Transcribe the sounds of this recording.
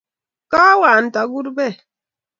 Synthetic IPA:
ka˦waː˨n̩˨ta˨ɡu˦tbe˦˨

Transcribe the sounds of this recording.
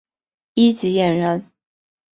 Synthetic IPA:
i˥t͡ɕi˧˥jɛ˨˩nɻə˧˥n

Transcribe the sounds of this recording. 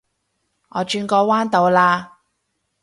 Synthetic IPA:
ŋɔː˨˧t͡ʃyː˧nkɔː˧waː˥nt̪o˨˧wlaː˧

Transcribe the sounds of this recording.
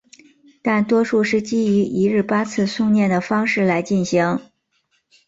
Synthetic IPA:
t̪a˥˩nt̪wɔ˥ʂu˥˧ʂɻ̩˥˩t͡ɕi˥y˧˥ʔi˧˥ɻɻ̩˥˩pa˥t͡sʰɹ̩˥˧su˥˧ŋnjɛ˥˩nd̪ə˩fɑ˥ŋʂɻ̩˥˩la˧˥ɪt͡ɕi˥˩nɕi˧˥ŋ

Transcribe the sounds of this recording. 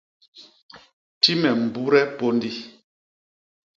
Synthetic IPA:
ti˦mɛ˨m̩˨bu˦ɾɛ˦po˦ndi˦

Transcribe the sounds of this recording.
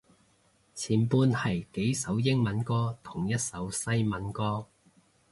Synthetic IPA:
t͡sʰiː˨˩npuː˧nhɐ˨˩jke˨˥jsɐ˨˥wjɪ˥ŋmɐ˨˥nkɔː˥t̪ʰʊ˨˩ŋjɐ˥t̚sɐ˨˥wsɐ˥jmɐ˨˥nkɔː˥

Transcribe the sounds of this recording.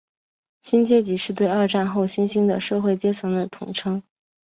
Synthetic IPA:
ɕi˥nt͡ɕjɛ˥t͡ɕi˧˥ʂɻ̩˥˧t̪we˥˧ɪɐ˞˥˧ʈ͡ʂa˥˧nxo˥˩ʊɕi˥nɕi˥ŋd̪ə˨˩ʂɤ˥˧xwe˥˩ɪt͡ɕjɛ˥t͡sʰɤ˧˥ŋd̪ə˨t̪ʰʊ˨˩ŋʈ͡ʂʰɤ˥ŋ

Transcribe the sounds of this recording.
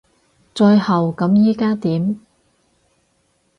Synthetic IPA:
t͡ʃɔː˧jhɐ˨wkɐ˨˥mjiː˨˥kaː˥t̪iː˨˥m

